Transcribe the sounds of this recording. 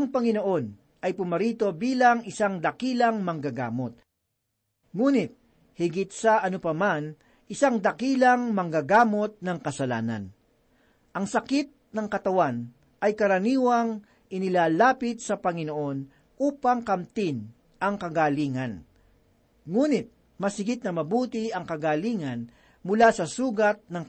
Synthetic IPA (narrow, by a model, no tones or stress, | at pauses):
ɐŋpɐŋɪno̞ʔo̞n | ʔɐjpʊmɐɾiːt̪o̞biːlɐŋʔɪsaŋd̪ɐkiːlɐŋmɐŋɡaɡa̰ːmot̪̚ | ŋuːnɪt̪̚ | hɪɡɪt̪̚sɐʔɐnʊpɐman | ʔɪsaŋd̪ɐkiːlɐŋmɐŋɡaɡaːmo̞t̪̚nɐŋkɐsɐla̰ːnɐ̰n | ʔɐŋsɐkɪt̪̚nɐŋkɐt̪ɐwan | ʔɐjkɐɾɐniːwɐŋ | ɪnɪlaːlaːpɪt̪̚sɐpɐŋɪnoʔo̞n | ʔuːpɐŋkɐmt̪ɪn | ʔɐŋkɐɡaːliːŋɐn | ŋuːnɪt̪̚ | mɐsɪɡɪt̪̚nɐmɐbuːt̪ɪɐŋkɐɡaːliːŋɐn | mʊlasɐsuːɡɐt̪̚nɐŋ